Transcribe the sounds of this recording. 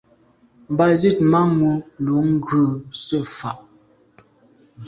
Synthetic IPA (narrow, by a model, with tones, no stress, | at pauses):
m˨ba˦zi˦˨t̚ma˦ŋu˨lu˨˦ŋ̩˦ɡʉː˦˨sə˦˨fa̰˨ʔ